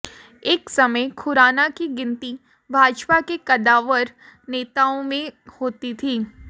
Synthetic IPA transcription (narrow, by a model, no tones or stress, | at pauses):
eːksɐməjkʰʊɾaːnakiɡɪ̃nt̪i | bʱaːd͡ʒpakekɐd̪aːʋəɾ | neːt̪aːõmẽhoːt̪it̪ʰiː